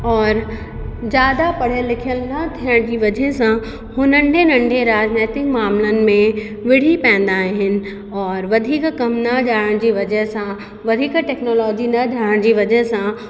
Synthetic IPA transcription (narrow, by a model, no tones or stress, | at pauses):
ɔːɾ | d͡ʑaːd̪apɐɽ̤elɪkʰijəlnɐt̪ʰiəɽ̃d͡ʑiʋɐd͡ʒəɦsã | hʊnə̃ɳɖʱenɐ̃ɳɖʱeɾaːd͡ʒneːt̪ɪkmaːmlənɪ̆mẽ | ʋɪɽ̤ipɛ̃ːnd̪aːeɦɪnɪ̆ | ɔːɾʋɐd̪ʱiːkkɐmnɐd͡ʒaːɽəɽ̃d͡ʑiʋɐd͡ʒəɦsã | ʋɐd̪ʱiːkʈɛːknɔːlɔːd͡ʑinɐd͡ʒaːɽəɽ̃d͡ʑiʋɐd͡ʒəɦsã